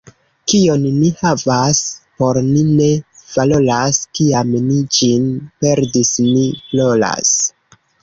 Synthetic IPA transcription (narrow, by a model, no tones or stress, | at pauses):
kio̞nːihavaspo̞ɾnine̞v̥alo̞laskiamnid͡ʒinpe̞ɾdisniflo̞la̰s